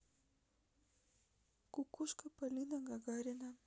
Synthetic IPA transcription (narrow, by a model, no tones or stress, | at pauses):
kʊkʊʃkapalɪnaɢaɡaɾɪna